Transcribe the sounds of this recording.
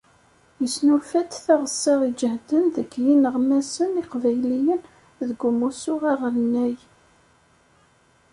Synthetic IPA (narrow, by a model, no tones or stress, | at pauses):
jəsnulfæt̪θaʁəsːɑʁid͡ʒəhd̪ənðəɡjinəʁmæsəniqvæjlijən | ðəɡːʊmusʊʁɑʁəɾənːæj